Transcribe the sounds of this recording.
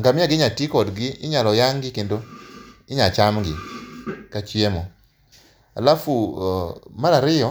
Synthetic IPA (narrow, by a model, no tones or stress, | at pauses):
ŋɡamɪaɡɪɲatikɔdɡɪɪɲalɔjaŋɡɪkendoɪɲat͡ʃamɡɪkat͡ʃiemɔ | a̰lafu | maɾaɾɪjɔ